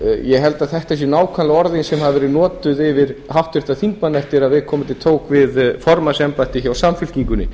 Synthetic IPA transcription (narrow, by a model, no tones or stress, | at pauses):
jɛɦɛlt̪aðθɛht̪as̬ɛnaːwkʰvanlaɔɾðɪnsɛmhavvɛːɾɪðnɔːt̪ʏðɪvɪɾ̥ɦawht̪vɪɾ̥ht̪aθiŋkmanːɛft̪ɪɾaðvɪðkʰɔːmʏt̪ʰɪlt̪ʰoːwkvɪðfɔɾmasɛmpaɛht̪ɪçawsamfʏl̥ciŋkʏnːɪ̰